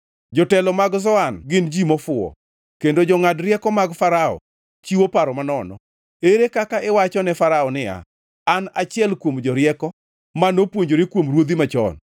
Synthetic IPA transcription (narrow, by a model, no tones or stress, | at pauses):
d͡ʒɔtɛlɔmaɡzɔanɡɪnd͡ʒimɔfʊɔ̰ | kendod͡ʒɔŋadɾjɛkɔmaɡfaɾaɔ̰ | t͡ʃiwopaɾɔmanɔnɔ̰ | eɾekakaʔɪwat͡ʃɔnɛfaɾaɔnɪa̰ | anat͡ʃɪɛlkwomd͡ʒɔɾjɛkɔ | manopwoɲd͡ʒoɾɪkwomɾwod̪imat͡ʃɔ̰n